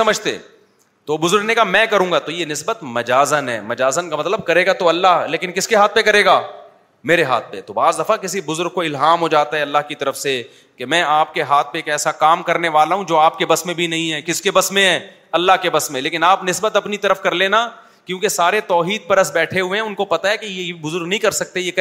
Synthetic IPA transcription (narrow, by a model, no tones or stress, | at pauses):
sɐməd͡ʒʱt̪ḛː | t̪obʊzʊɾɡnekamɛ̃ːkɐɾũːŋɡat̪ojenɪsbət̪mɐd͡ʒaːzənɦɛ̰ːmɐd͡ʒaːzənkamɐt̪ləb̚kɐɾeːɡat̪oɐlːaɦleːkɪnkɪskeɦaːt̪̚ʰpekɐɾeːɡaː | meːɾeɦa̰ːt̪̚ʰpḛt̪obaːzd̪ɐfakɪsibʊzʊɾɡ̚koɪlɦaːmɦod͡ʒaːt̪aɦɛɐlːaɦkit̪ɐɾəfse | kemɛ̃ːaːp̚keɦaːt̪̚ʰpekɛːsakaːmkɐɾneʋaːlaɦũd͡ʒoːaːp̚kebɐsmẽbʱinɐɦĩɦɛːkɪskebɐsmẽɦɛː | ɐlːaɦkebɐsmẽleːkɪnaːpnɪsbət̪ɐpnit̪ɐɾəfkɐɾleːna | kjõːkesaːɾet̪ɔːɦiːd̪̚pɐɾəsbɛːʈʰeɦʊeɦɛ̃ʊnkopɐt̪aɦɛkejebʊzʊɾɡnɐɦĩkɐɾsɐk̚t̪ejek